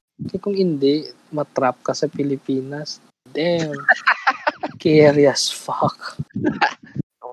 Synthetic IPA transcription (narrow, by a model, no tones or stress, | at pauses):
kɐkʊŋɪnd̪ɛʔ | mɐt̪ɾap̚kɐsɐpɪlɪpiːnɐs | d̪ɛŋ | kɛɛɾjɐsfak